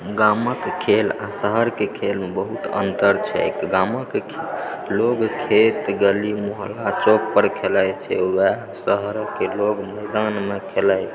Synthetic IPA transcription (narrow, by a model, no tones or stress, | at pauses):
ɡaməkkʰelasəɦəɾkekʰelmebəɦut̪ə̰nt̪əɾt͡ʃʰɛ̰ɪkɡaməkʰ | loɡkʰet̪ɡəlimoɦlat͡ʃok̚pəɾkʰelajt͡ʃʰɛ̰wɛɦ | səɦəɾkeloɡməɪd̪anmekʰelaj